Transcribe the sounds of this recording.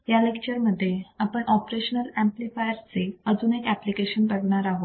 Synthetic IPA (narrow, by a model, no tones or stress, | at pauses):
jalekt͡ɕəɾməd̪ʱːjeapəɳʔɔpɾeɕənəlæ̃mplifajəɾt͡seəd͡zuːnekæplikeɕənpəɡɳaɾaɦot̪